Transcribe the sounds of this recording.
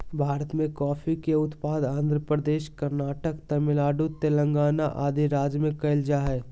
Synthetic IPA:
bʱaːɾət̪mẽkɔːfʰikeʊt̪paːd̪ãːnd̪ʱɾəpɾəd̪eːʃkəɾnaːʈəkt̪ɐmɪlaːɖut̪elə̃ŋɡaːnaʔaːd̪iɾaːd͡ʒmẽkɐɪld͡ʒaɦɛː

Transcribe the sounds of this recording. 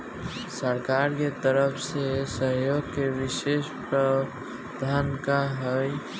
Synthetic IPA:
səɾkaɾket̪əɾəpʰsesəɦjoɡkeʋisespɾə | d̪ʱankaɦəj

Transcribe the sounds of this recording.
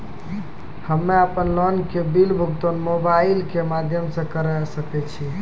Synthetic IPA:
həmːeəpənlɔnkebilbʱukt̪onmobailkemad̪ʱjəmsə̃kəɾɛsəkɛt͡ʃʰi

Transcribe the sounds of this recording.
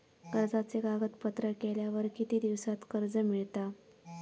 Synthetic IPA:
kəɾd͡zat͡seɡaɡət̪pət̪ɾəkeljaʋəɾkit̪iːd̪iʋsat̪kəɾd͡zəmiɭt̪a

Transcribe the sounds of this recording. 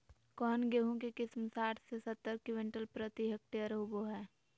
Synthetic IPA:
kɔːnɡeɦõkekɪsmsaːʈʰsesət̪ːəɾkɪwẽɳʈəlpɾət̪iɦək̚ʈijəɾɦʊboɦɛː

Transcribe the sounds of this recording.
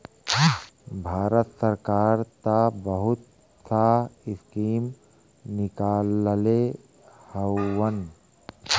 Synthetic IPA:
bʱaːɾət̪səɾkaːɾt̪abəɦʊt̪̚ | saɪskiːm | nɪkaːləle | həːən

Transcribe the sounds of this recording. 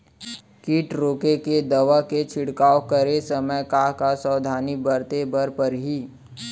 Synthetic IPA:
kiːʈɾoːkeked̪ɐʋaket͡ʃʰɪɽkaːokəɾesɐməjkaːɦkasəːd̪ʱaːnibəɾt̪ebɐɾpəɾɦiː

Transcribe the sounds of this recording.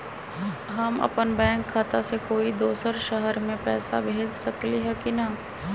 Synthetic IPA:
ɦɐmɐ̰pənbɛ̃ːŋkʰːaːt̪asekoːid̪oːsəɾʃəɦəɾmẽpɛːsa̰bʱeːd͡ʒsɐkliɦɛkinɐ

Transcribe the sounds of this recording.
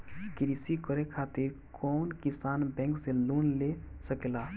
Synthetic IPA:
kɾisikəɾekʰat̪iɾ | kʰɔnkisanbɛ̃ŋksẽlunlesəkela

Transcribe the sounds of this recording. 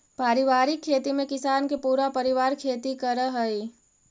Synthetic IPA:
paːɾiʋaːɾɪkʰːeːt̪imẽkɪsaːnkepuːɾapəɾiʋaːɾkʰeːt̪ikəɾəɦəj

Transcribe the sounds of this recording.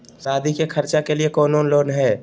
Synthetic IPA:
saːd̪ʱikekʰɐɾt͡ʃakeliekoːnoːnloːnɦɛː

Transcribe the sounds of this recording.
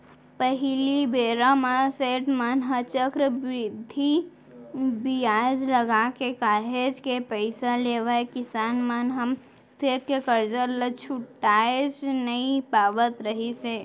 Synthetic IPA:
pəɦilibeːɾamaseːʈmənɦət͡ʃəkɾbɾɪd̪ʱːi | bijaːd͡ʒləɡakekaːɦed͡ʒkepəɪsaleːʋəekɪsaːnmənɦəm | seːʈ̚kekəɾd͡ʒəɾlət͡ʃʰʊʈːaːed͡ʒnəipaːbət̪ɾəɦise

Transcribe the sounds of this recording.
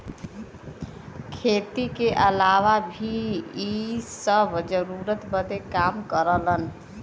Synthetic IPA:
kʰet̪ikeʔəlaʋabʱiisəbʱd͡ʒəɾuɾət̪bəd̪ekamkəɾələn

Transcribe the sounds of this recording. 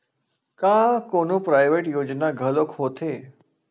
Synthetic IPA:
kakonupɾajʋeʈjod͡ʒnaɡʱəlokɦot̪ʰe

